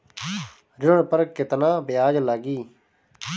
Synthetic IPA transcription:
ɾɪɳpəɾkɪt̪nãːbɪjaːd͡ʒlaːɡiː

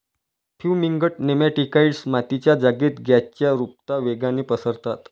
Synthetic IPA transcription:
pʰjumiŋɡəʈ̚nemaʈikaiɽsmat̪it͡ɕjad͡zaɡiːt̪ɡʱjat͡ɕjaɾup̚t̪aʋeɡanepəsəɾt̪at̪

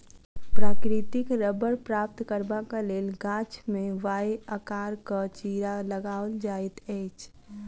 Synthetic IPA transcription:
pɾaːkɾɪt̪ɪkɾəbəɾpɾaːp̚t̪kəɾbakaleːlɡãːt͡ʃmẽʋaːeəkaːɾkət͡ʃiɾaləɡaːʊld͡ʒaːit̪ɛːt͡ʃʰ

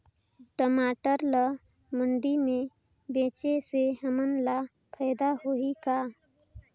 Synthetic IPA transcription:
ʈəmaːʈəɾlə | məɳɖimẽ | bẽːt͡ʃeseɦəmənla | pʰɛːd̪aɦoikaː

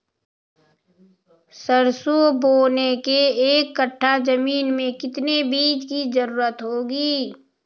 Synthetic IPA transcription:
səɾsoboːnekeːkːəʈʰːad͡ʒəmiːnmẽkɪt̪nebiːd͡ʒkizəɾuːɾət̪ɦoːɡiː

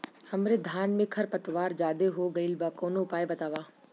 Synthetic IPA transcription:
hɐmɾed̪ʱaːnmẽkʰɐɾpɐt̪ʋaːɾd͡ʒaːd̪eɦoɡɐilbaːkoːnoʊpaːebɐt̪aːʋaː

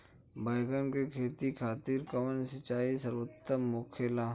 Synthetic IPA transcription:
baːjɡənkekʰeːt̪ikʰaːt̪iːɾkɔmənsɐt͡ʃaːisəɾʋət̪ːəmoːkʰelãː

